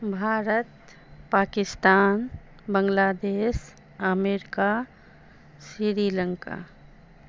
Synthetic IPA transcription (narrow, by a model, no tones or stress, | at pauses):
bʱaːɾət̪̚ | paːkɪst̪aːn | bə̃ŋɡlaːd̪eːs | əmeːɾɪka | sɾiɾiːlə̃ŋka̰ː